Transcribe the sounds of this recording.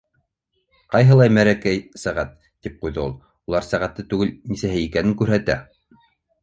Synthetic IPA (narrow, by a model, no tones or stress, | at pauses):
qɑjɦɤ̆lˠɑjmæɾækæjsæʁæt̪ːip̚qujðɤṵlˠ | ulˠɑɾsæʁæt̪ːɤt̪ʉɡɘlnisæɦɘikænɘŋkʉɾɦæt̪æ̰